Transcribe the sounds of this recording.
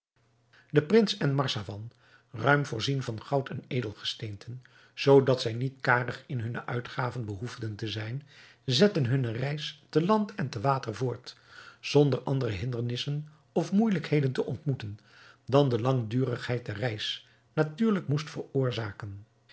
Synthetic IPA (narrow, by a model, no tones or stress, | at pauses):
dəprɪnsɛnmɑɹsavɑn | rœɥmvʊːɹzinvɑnχɑwtɛnejdəlˠχə̥stejntʰən | z̥owdɑtsɛjnitkaːrəχɪnɦɵnəʔœ̰ɥtχaːvənbəɦufdəntəzɛjn | zɛtənɦɵnərɛjstəlɑntʰɛntəʋaːtəɹvʊːɹt | z̥ɔndəɹʔɑndərəɦɪndəɹnɪsən | ɔfmujləkhejdəntəʔɔntmutən | dɑndəlɑŋdyːrəχhɛjt̚dɛrrɛjs | natyːɹləkmustfərʊːɹzaːkən